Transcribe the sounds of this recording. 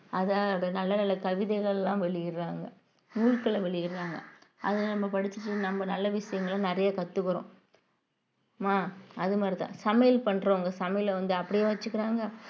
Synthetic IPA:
ɐðaːɾɐnɐlːɐnɐlːɐkɐʋɪðɛɪɣɐɭlãːʋɛɭɪjɪɾaːŋɡɐ | nuːɻkːɐɭɐʋɛɭɪjɪɾɯɾaːŋɡɐ̰ɐðɯnɐmːɐpɐɽɪt͡ʃːɯʈːɯnɐmːɐnɐlːɐʋɪʂɐjɐŋɡɐɭɐnɪɾɐjɐkɐt̪ːɯkːɯɾõ̰ː | maːɐðɯmaːɾit̪ã̰ːsɐmɛjɪlpɐɳːɾoːŋɡɐsɐmɐjɪlʋɐnd̪ɯɐpːɐɽɪjaːʋɐt͡ʃːɯkːɪɾaːŋɡɐ

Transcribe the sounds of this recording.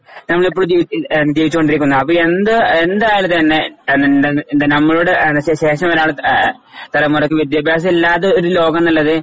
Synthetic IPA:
nɐmːɐɭip̬ːoːɭud͡ʑiʋinːd͡ʑiːʋit͡ɕːuko̞ɳɖiɾikʲːunːɐɐpːoːend̪ɨend̪aːjɐlt̪ɐnːe̞nːndɨnɐmːɐɭuɽenːɕeɕe̞ːʂɐmoɾaːɭɨ | t̪ɐlɐmːurɐkːɨʋid̪jaːbʱjaːs̬ɐmilːaːt̪ːeoɾulo̞ːɡɐmnɐlːɐðɨ

